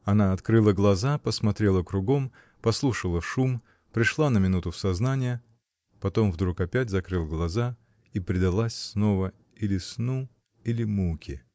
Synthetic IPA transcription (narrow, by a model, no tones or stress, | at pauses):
ɐnaɐt̪kɾɨlˠəɡlˠɐzapəsmɐt̪ɾʲe̞lˠəkɾʊɡo̞m | pɐslˠuʂəlˠəʂum | pɾʲɪʂlˠanəmʲɪnut̪ʊfsɐznanʲɪjə | pɐt̪o̞mvd̪ɾukɐpʲætʲzɐkɾɨlˠɡlˠɐza | ipɾʲɪd̪ɐlˠasʲsno̞və | ilʲɪsnu | ilʲɪmukʲɪ